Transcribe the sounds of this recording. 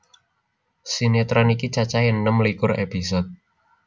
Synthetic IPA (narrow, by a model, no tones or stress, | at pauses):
sinit̪ɾanikit͡ʃat͡ʃajinːəmlikʊrḛpis̬ɔt̪̚